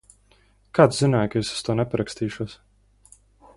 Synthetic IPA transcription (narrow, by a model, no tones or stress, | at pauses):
kat̪zinaːjkesu̥st̪uɔnɛpaɾakst̪iːʃuɔs